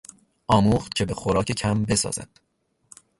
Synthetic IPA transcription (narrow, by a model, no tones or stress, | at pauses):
ʔɒːmuːχt̪cʰe̞be̞xoɾɒːce̞cʰæmbe̞sɒ̰ːz̥æ̰d̪̥